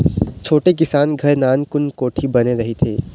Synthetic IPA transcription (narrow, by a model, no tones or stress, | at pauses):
t͡ʃʰoːʈek̬ɪsaːnɡʱɐɾnaːnkʊnkoːʈʰibɐneɾɐɦit̪ʰḛː